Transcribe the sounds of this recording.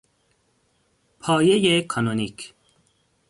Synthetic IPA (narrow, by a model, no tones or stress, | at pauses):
pʰɒːjejekʰɔnonikʰ